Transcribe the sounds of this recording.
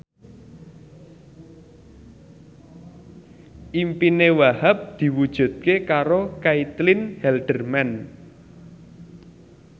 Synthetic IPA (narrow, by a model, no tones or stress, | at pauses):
ʔimpinewahap̚d̪̥i̤wud̥ʒ̥ṳt̪̚kekaɾokait̪lɪnhɛlɖ̪̥ərmɛn